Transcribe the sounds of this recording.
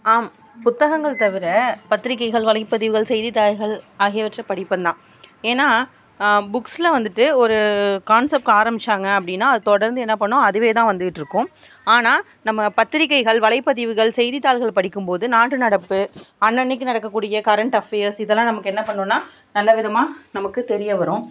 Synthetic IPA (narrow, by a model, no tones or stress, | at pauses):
aːm | pʊt̪ːɐɣɐŋɡɐɭt̪ɐʋɪɾɐpɐt̪ːɪɾɪkːɐɪɣɐɭʋɐɭɐɪpːɐðɪʋɯɣɐɭsɛjðit̪ːaːɣɐɭaːɣeʋɐʈrɐpɐɽɪpːɐnd̪ãː | eːnːaː | bʊksɪlɐʋɐnd̪ɯʈːɯɔɾɯkaːnsɛp̚ʈaːɾɐmbɪt͡ʃːaːŋɡɐɐpːɐɽɪnːaːɐðɯt̪ɔɽɐɾnd̪ɯɛnːɐpɐɳːʊ̃ɐðɯʋeːt̪ãːʋɐnd̪ɯʈːɯɾɯkːʊ̃ | aːnaː | nɐmːɐpɐt̪ːɪɾɪkːɐɪɣɐɭʋɐlɐɪpːɐðɪʋɯɣɐɭsɛjðit̪ːaːlɣɐɭpɐɽɪkːɯmpoːðɯnaːʈːɯnɐɽɐpːɯɐnːɐɳːɪk̬ːɯnɐɽɐkːɐkːuːɽɪjɐkɐɾɐɳʈɐfeːɐɾsɪðɛlːãːnɐmɐkːɯɛnːɐpɐɳːõːnːaː | nɐlːɐʋɪðɐmaːnɐmɐkːɯt̪ɛɾɪjɐʋɐɾʊ̃